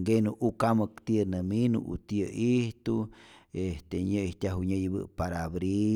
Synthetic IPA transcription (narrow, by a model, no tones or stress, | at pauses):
ɡenuʔukaməkt̪iənəminṵʔṵt̪əʔiht̪uest̪eɲəiht̪ʲaɦuɲəjbɨ̰paɾabɾi